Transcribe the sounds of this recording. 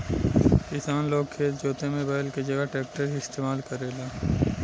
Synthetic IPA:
kɪsaːnloːɡ̚kʰeːt̪̚d͡ʒoːt̪emẽbaːɪlked͡ʒɐɡəɦʈɛːk̚ʈəɾɪst̪eːmaːlkɐɾeːlaː

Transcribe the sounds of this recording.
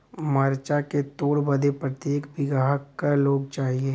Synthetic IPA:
mɐɾt͡ʃaket̪oːɽbəd̪epɾət̪jeːkbɪɡaːɦəkːaɾloːɡt͡ʃaːɦieː

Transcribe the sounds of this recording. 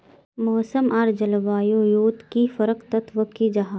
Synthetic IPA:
mɔːsəmaːɾd͡ʒɐlʋaːjojoːt̪kifɐɾəqt̪ɐt̪ʋəkid͡ʒɐɦaː

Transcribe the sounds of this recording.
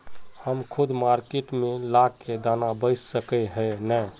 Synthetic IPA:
həmkʰʊd̪maɾkeʈmẽlakːed̪anabəɪssəkɛɦənə

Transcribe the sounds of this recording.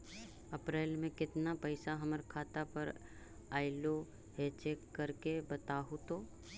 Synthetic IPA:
ɐpɾeːlmẽkɪt̪napəɪsaɦɐməɾkʰaːt̪apəɾ | aːɪlo | ɦet͡ʃeːkːəɾkebət̪aːɦut̪oː

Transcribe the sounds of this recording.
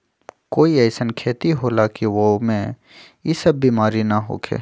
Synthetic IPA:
koːiɛɪsənkʰeːt̪iɦolaːkiʋomẽ | ɪsəbːiːmaːɾinaɦo̰ːkʰḛː

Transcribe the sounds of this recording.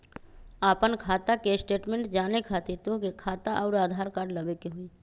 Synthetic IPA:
aːpənkʰaːt̪akesʈeːʈmẽɳʈd͡ʒaːnekʰaːt̪iɾt̪õkekʰaːt̪aʔɔːɾaːd̪ʱaːɾkaːɖləbekeɦʊiː

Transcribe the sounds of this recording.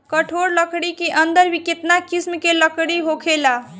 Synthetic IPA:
kəʈʰoɾləkɽikeʔənd̪əɾbiket̪nakismkeləkɽiɦokʰela

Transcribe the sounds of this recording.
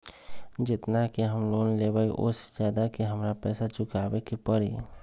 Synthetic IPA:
d͡ʒɪt̪nakiɦəmloːnleːbaiʔʊ̰sd͡ʒjaːd̪akiɦəmɾapɛːsat͡ʃʊkaːbekipəɽḭː

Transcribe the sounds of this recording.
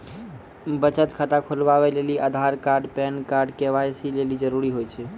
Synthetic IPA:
bət͡ʃət̪kʰat̪akʰolbaβeleliʔad̪ʱaɾkaɾɖpɛnkaɾɖkeʋajsilelid͡ʒəɾuɾiɦojt͡ʃʰɛ

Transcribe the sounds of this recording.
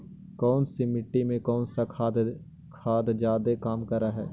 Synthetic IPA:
kɔːnsimɪʈːimẽkɔːnsakʰad̪ | kʰaːd̪d͡ʒjaːd̪ekaːmkɐɾaɦɛ̰ː

